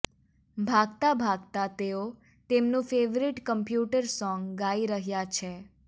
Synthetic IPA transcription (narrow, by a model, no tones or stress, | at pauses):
bʱaɡt̪abʱaɡ̚t̪at̪eo | t̪emnũfeʋɾiʈkəmpjuʈəɾsɔŋɡɡaiɾəɦjat͡ʃʰe